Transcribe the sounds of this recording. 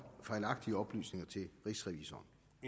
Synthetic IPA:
fɑ̈ɪlɑ̈ɡ̥̚d̥iəɒ̽b̥ly̰ːsne̝ŋɐt͡sʰe̝lʁisʁɛʋiːsɒːn

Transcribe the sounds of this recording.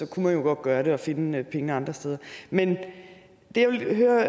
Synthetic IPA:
sɒ̽kʰumænjo̝ɡ̥ɒ̽d̥ɡ̥ɶːɐɾe̝ɒ̽fe̝nəpʰeŋəɑ̈nd̥ʁɐsd̥eːð̞ˠɐmen | d̥e̝jaʋeɦøːɐ

